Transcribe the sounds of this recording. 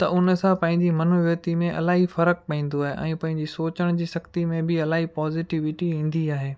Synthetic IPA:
t̪ɐʔʊnə̆sãpɐ̃ɦɪ̃ɲd͡ʑimɐnuʋət̪imẽʔɐ̰laːɦifɐɾək̚pɐĩːn̆d̪oaːɦeʔɛ̃ːpɐ̃ɦɪ̃ɲd͡ʑisoːt͡ɕəɽ̃d͡ʑiːsɐkt̪imẽbɪɐlaːɦipɔːzɪʈɪʋɪʈiĩːn̆d̪iaːɦeː

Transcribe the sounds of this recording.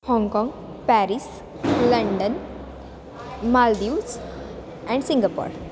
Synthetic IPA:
hɔ̃ŋɡkɔ̃ŋɡ | pæɾis | ləɳɖən | malɖius | ɛ̃ɳɖsĩŋɡapo̰ɾ

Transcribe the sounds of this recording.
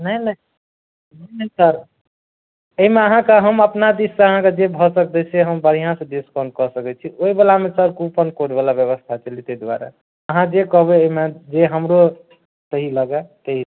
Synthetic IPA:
nəjnəi | nəinəisəɾ | əɦimeəɦãkeɦəməpnad̪isseəɦãked͡ʒebʱɔsək̚d̪ɛsʰeɦəmbəɾijãsə̃ɖiskanɖ̚kɔsəkɛt͡ʃʰiʔoibelamesəɾkupənkoʈbalabjəβəst̪ʰat͡ʃəlit̪əjd̪wa̰ɾa̰ | əɦãd͡ʒekəɦbeːimed͡ʒeɦəmɾo | səɦiləɡɛt̪əɦi

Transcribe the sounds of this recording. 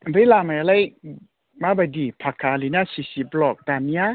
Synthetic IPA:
belamajalaj | mabadipʰakʰalinasisiblɔk̚dania

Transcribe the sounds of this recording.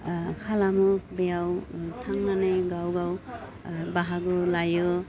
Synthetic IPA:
kʰalamubejawtʰaŋnaneɡawɡaw | baɦaɡɯlajɯ

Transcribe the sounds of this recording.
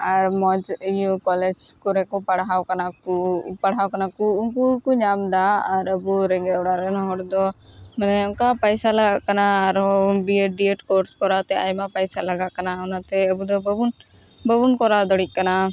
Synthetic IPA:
aɾmɔd͡ʒijukɔlɛd͡ʒkɔɾɛkɔpəɽɦawkanakupəɽawkanakuʊŋkukuɲamd̪aːɾəbuɾɛŋɡɛɔɽaɾɛnɦɔɽd̪ɔmənɛʊŋkapəjsaləɡaʔkənaːɾbieɖieʈkɔɾskɔɾat̪ɛa̰jmapəjsaləɡaʔkənaʊnat̪ʰɛəbud̪ɔbəbun | bəbunkɔɾad̪ɔɽik̚kəna

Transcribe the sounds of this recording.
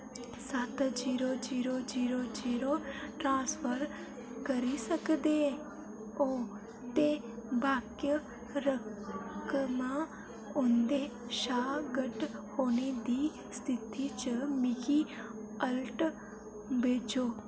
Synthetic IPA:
sət̪d͡ʒiːɾoːd͡ʒiːɾod͡ʒiːɾod͡ʒiːɾoʈɾãːspəɾ | kəɾisəkd̪e | oː | t̪e | baːkjə | ɾəkmãː | ʊnd̪eːʃaːɡəʈhoːned̪iː | st̪ʰɪt̪it͡ʃəmɪɡi | əlʈ | beːt͡ʃoː

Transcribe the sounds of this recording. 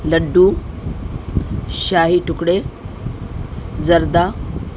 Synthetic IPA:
ləɖːu | ɕaːɦiʈukɽe | d͡zɐɾd̪a

